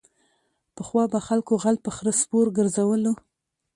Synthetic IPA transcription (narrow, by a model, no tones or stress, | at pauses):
pəxwɑbaxalkoɣalpəxɾəspoɾɡəɾzawəlo